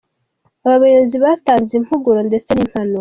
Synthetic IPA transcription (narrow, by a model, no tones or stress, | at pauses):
aβaβajeziβaːtaːnzim̥huɡuɾonde̞t͡se̞nim̥hanua